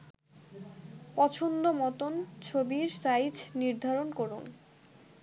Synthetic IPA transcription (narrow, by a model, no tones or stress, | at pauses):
pɔt͡ɕʰond̪omɔt̪ont͡ɕʰobiɾsajd͡ʑniɾd̪ʱaɾonkɔɾun